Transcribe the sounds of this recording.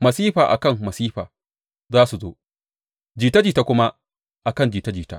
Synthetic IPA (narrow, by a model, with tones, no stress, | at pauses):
mɐ˨siː˦ɸaː˨ʔa̰˨kɐ˦˨mmɐ˨siː˦ɸaː˨ | zaː˦su˨zo̰ː˦ | d͡ʒiː˨ta˦d͡ʒiː˨ta˦kʷʊ˦ma˦ | ʔa˨kɐ˦˨nd͡ʒiː˨ta˦d͡ʒiː˨ta̰ː˦ʔ